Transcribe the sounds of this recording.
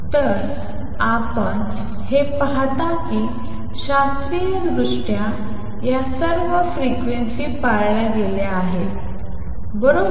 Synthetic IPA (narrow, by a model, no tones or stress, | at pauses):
t̪əɾ | apəɳ | hepaɦat̪akiː | ɕast̪ɾiədɾuʂʈja | jasəɾʋəfɾikʋensiːpaɾɭjaɡ̪eleaɦe | bəɾo